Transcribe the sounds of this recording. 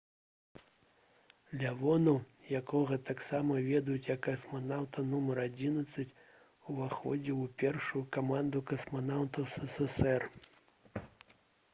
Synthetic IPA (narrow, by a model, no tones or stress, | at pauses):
lʲavɔnu | jakɔɣɐt̪aksamɐvʲɛd̪ɐjut͡sʲjɐkːɐsmanawt̪ɐnumɐɾad͡zʲinɐt̪sːɐt͡sʲ | uvaxɔ̰d͡zʲɛpʲɛrʂujukamand̪ukɐsmanawt̪ɐsɛsɛsɛr